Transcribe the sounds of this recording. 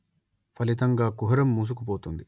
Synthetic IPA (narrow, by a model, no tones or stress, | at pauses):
pʰɐlit̪ɐŋɡaːkuɦɐɾɐmːuːs̬ukup̬oːt̪und̪i